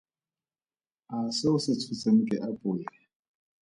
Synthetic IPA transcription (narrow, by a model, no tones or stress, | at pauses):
asɪʊsɪt͡sʰut͡sʼen̩kʼɪʔapʼujɛ